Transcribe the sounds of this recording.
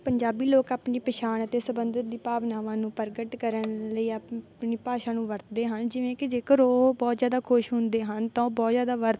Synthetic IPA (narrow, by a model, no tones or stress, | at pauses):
pəɲd͡ʒaːbiːloːkaːpniːpəʃaːnət̪eːsəbənd̪ət̪̚d̪iːpaːʋnaːʋãːnũːpəɾɡəʈkəɾənləiːapniːpaːʃãːnũːʋəɾt̪d̪eːɦənd͡ʒɪʋẽːkɪd͡ʒeːkəɾoːbɔːt̪zjaːd̪aːkʰoʃɦʊnd̪eːɦənt̪ãoːbɔːt̪zjaːd̪aːʋəɾt̪